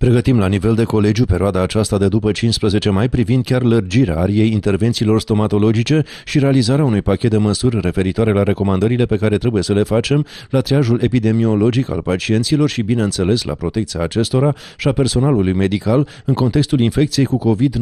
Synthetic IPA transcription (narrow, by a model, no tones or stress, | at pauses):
pɾe̞ɡət̪imlanive̞ld̪e̞ko̞le̞d͡ʒjupe̞ɾioad̪aːt͡ʃast̪ad̪e̞d̪upət͡ʃinspɾəze̞t͡ʃe̞majpɾivind̪̚kʲarlərd͡ʒiɾea̰aɾije̞jint̪e̞rvent̪siːlo̞rst̪o̞mat̪o̞lo̞d͡ʒit͡ʃe̞ | ʃiɾe̞alizaɾeaunujpakʲe̞t̪̚d̪e̞məsurʲre̞fe̞ɾit̪oaɾe̞laɾe̞ko̞mãnd̪əɾile̞pe̞kaɾe̞t̪ɾe̞buje̞səle̞fat͡ʃe̞m | lat̪ɾiaʒule̞pid̪e̞mio̞lo̞d͡ʒika̰lpat͡ʃie̞nt̪silo̞rʃibine̞ɨnse̞le̞slʔa̰pɾo̞t̪e̞kt̪siaːt͡ʃe̞st̪o̞ɾa | ʃiape̞rso̞nalulujme̞d̪ikal | ɨŋko̞nt̪e̞kst̪ulinfe̞k̚t̪sije̞jkuko̞vid̪